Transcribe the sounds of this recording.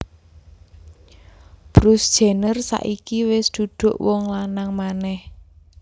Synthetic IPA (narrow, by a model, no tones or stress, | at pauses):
b̥ɾusd̥ʒ̥e̤nərsa̰ʔikiwɪsd̪̥ṳd̪̥ʊ̤ʔwɔŋlanaŋmanɛh